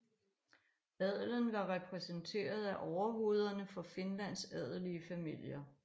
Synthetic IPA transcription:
ɛð̞ˠlənʋɑ̈ʁɛpʰʁɛsənt͡sʰe̝̰ːɐð̞ˠæʔɒʊɐɦo̝ːð̞ˠɐnəfɒ̽fe̝nlæn̰sɛð̞ˠliəfæmil̰jɐ

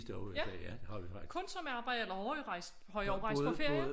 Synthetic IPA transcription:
sd̥ɒʊejææd̥ehɑ̰ʋifɑ̥̈kʰɔ̽nsɒ̽meɑ̈ːb̥ɑ̈ɪ̰d̥̩elɐhɒɪʁɑ̈ɪ̰s | hɒ̽ɪɒʊʁɑ̈ɪspʰɒfe̝ɐ̰jə

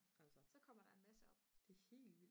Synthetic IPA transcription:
ælsɐsɒ̽kʰɒ̽m̰ɐɾ̥ɑ̈e̝nmæsəɒ̽b̥d̥e̝he̝̰ːld̥ʋil̰d̥

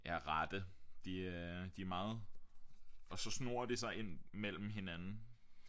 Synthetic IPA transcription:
jæʁɑd̥əd̥id̥iæmɑ̈ːð̞̩ˠ | ɒ̽sɒ̽sno̝ːɐd̥esɑ̈ɪe̝n̰mel̰m̩ɦe̝nænn̩

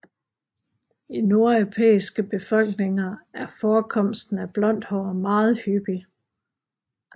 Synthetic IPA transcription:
ino̝ɐepʰḛːisɡ̥əb̥e̝fɒ̽l̰ɡ̥ne̝ŋɐæɐfɒːkʰɒ̽m̰sd̥n̩æb̥lɒ̽n̰d̥hɒɐmɑ̈ːð̞̩ˠhyb̥i

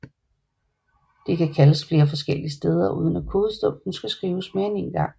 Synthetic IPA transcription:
d̥e̝kʰækʰæləsfle̝ːɐfɒ̽sɡ̥el̰iəsd̥eːð̞ˠɐuːð̞ˠən̩ækʰo̝ːð̞̩ˠsd̥ɔ̽m̰d̥n̩sɡ̥æsɡ̥ʁiːʊəsme̝ɐene̝nɡ̥ɑ̈ŋ̰

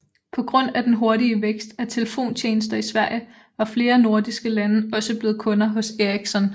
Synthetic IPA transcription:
pʰɒ̽ɡ̥ʁɔ̽n̰æd̥enɦo̝ɐɾiəʋeɡ̥sd̥æt͡sʰe̝ləfo̝̰ːnt͡ɕʰeːnəsd̥ɐisʋæɐ̰jə | ʋɑ̈fle̝ːɐno̝ɐ̰d̥isɡ̥əlænəɒ̽səb̥le̝ːð̞̩ˠkʰɔ̽nɐɦɔ̽seɐiɡ̥sɒ̽n

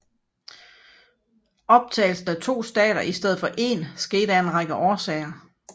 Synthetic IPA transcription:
ɒ̽b̥̚t͡sʰɛ̰ːɪl̩sn̩æt͡sʰo̝̰ːsd̥ɛ̰ːɾ̥ɐʔisd̥eð̞̩ˠfɒʔe̝̰ːnsɡ̥e̝ːdæe̝nʁɑ̈ɡ̥əʔɒːsɛ̰ɪɐ

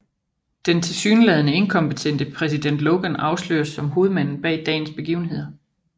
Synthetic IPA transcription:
d̥ent͡sʰe̝lsyːnəlɛːð̞ˠnəe̝nkʰɒ̽mpət͡sʰen̰d̥əpʰʁɛsid̥en̰d̥lɔʊɡ̥ənɑ̈ʊslø̰ːɐsːɒ̽mɦo̝ːð̞̩ˠmæn̰n̩b̥ɛ̰ɪd̥ɛ̰ːn̩sb̥e̝ɡ̥ḭːʊn̩ɦe̝ð̰ˠɐ

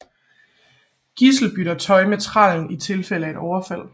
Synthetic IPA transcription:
ɡ̥isl̩b̥yɾ̥ɐt͡sʰɒ̽ɪmet͡sʰʁɑ̰̈ln̩it͡sʰe̝lfel̰əæe̝d̥ɒʊɐfæl̰

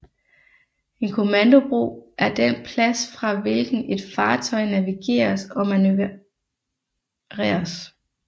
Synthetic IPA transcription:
e̝nkʰo̝mænd̥o̝b̥ʁṵːʔæɐd̥en̰pʰlæsfʁɑ̈ʋe̝lɡ̥n̩e̝d̥fɑ̈ːt͡sʰɒ̽ɪnæʋiɡ̥e̝̰ːɐsɒ̽mænø | ʁɛ̰ːɐs

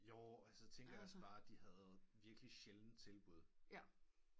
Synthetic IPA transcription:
joʊælsət͡sʰeŋɡ̥ɐjɑɒsb̥ɑ̈ːd̥ihæð̩ˠʋiɐɡ̥liɕeln̩t͡sʰe̝lb̥uð̞̰ˠ

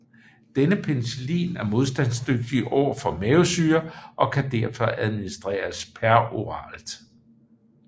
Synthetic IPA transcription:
d̥enəpʰenselḭːnæɐmo̝ð̞ˠs̬d̥ænsd̥øɡ̥̚d̥iʔɒ̰ːfɒ̽meosyːɐʔɒ̽kʰæd̥æɐfɒ̽æð̞ˠminisd̥ʁḛːɐspʰæɐo̝ʁɑ̰̈ːld̥

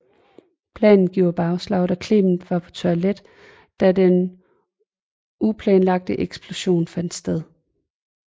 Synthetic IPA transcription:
pʰlɛ̰ːnn̩ɡ̥jo̝̰ːɐb̥ɑ̈ʊslɑ̈ʊd̥ækʰle̝̰ːmn̩ʋɑ̈pʰɒ̽t͡sʰoled̥ | d̥æden | ʔupʰlɛːnlɑ̈ɡ̥̚d̥əʔeɡ̥sb̥lo̝ɕo̝̰ːnfæn̰d̥sd̥eðˠ

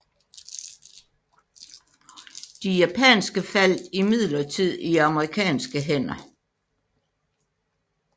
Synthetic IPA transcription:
d̥ijæpʰɛ̰ːnsɡ̥əfæl̰d̥imið̰ˠlɐt͡sʰið̞̰ˠiɑ̈məʁikʰɛ̰ːnsɡ̥əɦen̰ɐ

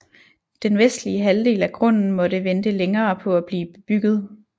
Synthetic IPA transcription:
d̥enʋesd̥liəɦæld̥e̝ːlæɡ̥ʰʁɔ̽n̰n̩mɒ̽ɾəʋend̥əleŋɐːpʰɒ̽æb̥liːb̥eb̥yɡ̥ð̞̩ˠ

